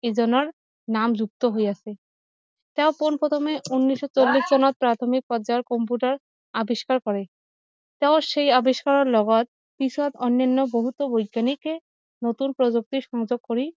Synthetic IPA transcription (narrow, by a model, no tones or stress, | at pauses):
ed͡ʑɔnoɾ | namd͡ʑuk̚t̪oɦoeat͡ɕʰe | t̪ɛoponpɾɔt̪ʰomeunːiʃːot͡ɕolːisd͡ʑɔnat̪̚pɾat̪ʰomik̚pɔd͡ʑaɾkɔmpuʈaɾ | abiʃkaɾkɔɾe | t̪ɛoʃejabiʃkaɾoɾlɔɡat̪̚ | pisʰat̪ɔnːanːoboɦut̪ːobojɡːanike | not̪unpɾod͡ʑok̚t̪iʃɔŋd͡ʑoɡ̚koɾi